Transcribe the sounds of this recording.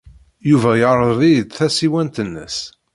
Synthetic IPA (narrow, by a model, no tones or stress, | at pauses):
juvæjəɾˤəððˤid̪θæsiwænt̪ənːə̰s